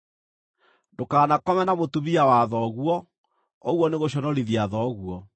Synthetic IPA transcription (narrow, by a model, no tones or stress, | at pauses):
dokaːnakɔmɛnamotuβiawaðɔɣwɔ | ɔɣwɔneɣoɕ̬ɔnɔɾiðiaðɔɣuɔ